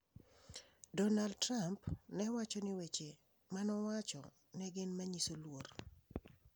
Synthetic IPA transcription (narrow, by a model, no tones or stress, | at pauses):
dɔnald̚tɾampnɛwat͡ʃɔnɪwet͡ʃe | manɔwat͡ʃɔ̰ | nɛɡɪnmaɲisolwor